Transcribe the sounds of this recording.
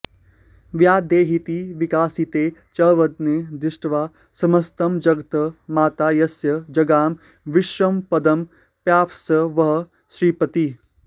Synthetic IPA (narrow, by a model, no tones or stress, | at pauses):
ʋjaːd̪eːɦit̪iʋikaːsit̪eːt͡ʃɐːʋɐd̪ned̪ɪʃʈʋaː | sɐmɐst̪ɐmd͡ʒɐɡt̪ɐmaːt̪aːjɐsjɐd͡ʒɐɡaːm | ʋɪʃʋɐmpɐd̪ɐm | pjaːpsɐʋɐɦ̆ | ʃɾiːpɐt̪i